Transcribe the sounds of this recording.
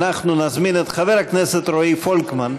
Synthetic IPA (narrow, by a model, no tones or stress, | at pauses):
naχnunazminet̪χaveʁakneset̪ɾoifolkman